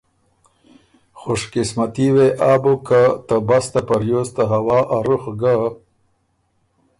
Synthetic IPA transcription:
xoʂkɪsmat̪iweʔaːbokat̪abast̪apaɾjoːst̪aɦawɑːʔaɾuxɡa

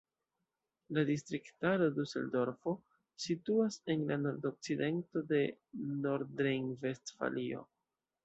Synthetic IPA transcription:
ladistɾiktaɾodusḛldo̞ɾfo̞ | situase̞nlano̞ɾdok̚t͡side̞nto̞de̞no̞ɾɾeŋve̞stfa̰lio̞̰

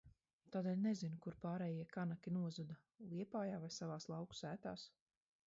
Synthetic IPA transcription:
t̪aːd̪eːlʲnezinukuɾpaːɾɛːjiɛkanakʲinuɔzud̪a | lˠiɛpaːjaːvajsavaːslˠɑwku̥sæːt̪aːs

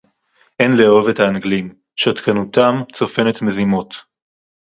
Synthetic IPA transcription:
ʔenleo̞vetaːnɡlim | ʃat̪kanutamt͡so̞fe̞net̪me̞zimo̞t

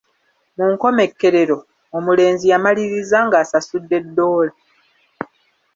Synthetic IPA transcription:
muŋko̞me̞kːe̞ɾe̞ɾo̞ | omule̞ːnzijamaliɾizaŋɡaːsasudːe̞dːo̞ːla

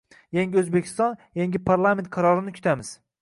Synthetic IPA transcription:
jaŋɡʲɪɵzbekʲʰɪ̥st̪ɒnjaŋɡʲɪpʰaɾlˠame̞nt̪̚qʰɑɾɒɾɪnɪkʰʊ̥t̪ʰamɪz̥

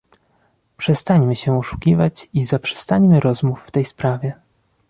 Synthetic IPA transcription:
pʂɛst̪aɲmɘɕɛɔʂu̥kʲivat͡ɕizapʂɛ̥st̪aɲmɘɾɔzmufːt̪ɛjspɾavʲjɛ

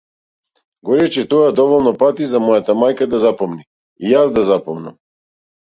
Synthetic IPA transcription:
ɡɔɾɛt͡ʃɛt̪ɔjad̪ɔvɔlˠnɔpat̪izamɔjat̪amajkad̪azapɔmni | ijazd̪azapɔmna̰m

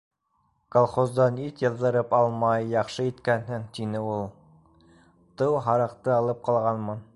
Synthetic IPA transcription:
kolˠχozd̪ɑnit̪jɤ̆ðːɤ̆ɾɤpɑlˠmɑjːɑχʃɤit̪kænɦɘŋt̪inɘulˠ | t̪ɤwɦɑɾɑqt̪ɤɑlˠɤp̚qɑlˠʁɑnmɑn

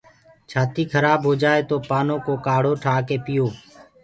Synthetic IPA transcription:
t͡ʃʰaːt̪iːkʰəɾaːbɦoːd͡ʒaːeːt̪oːpaːnõːkoːkaːɽ̤oːʈʰaːkeːpɪjoː

